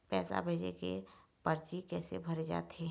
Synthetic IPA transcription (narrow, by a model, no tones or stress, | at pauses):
pɛːsa̰bʱeːd͡ʒekepəɾt͡ʃikɛːsebʱəɾed͡ʒa̰ːt̪e